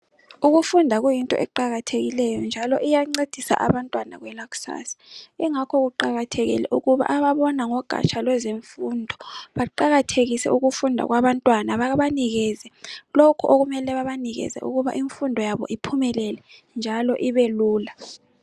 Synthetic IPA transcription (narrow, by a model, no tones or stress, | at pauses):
uɣufundʱaɣujintʼɔ̰ʔɛǃaɣatʰeɣilɛjɔnd͡ʒʱalɔʔijaŋ͡ǀed̥ʱisa̰ʔaβantʼwana̰ɣwɛlaku̥sa̰si̥iŋakʰɔɣuǃaɣatʰeɣḭlɛ̰ʔuɣuβa̰ʔaβaβɔnaŋɔɡ̥ʱa̰t͡ʃʰʼalwɛzeɱfundʱɔβaǃaɣatʰeɣisɛ̰uɣufundʱa̰ɣwaβantʼwanaβaβaniɣɛzɛlokʰuʔoɣumɛlɛβaβaniɣɛ̰zɛ̰ʔṵɣuβa̰ʔiɱfundʱɔjaβɔ̰ʔipʰumɛlɛlɛnd͡ʒʱalɔʔiβeluːla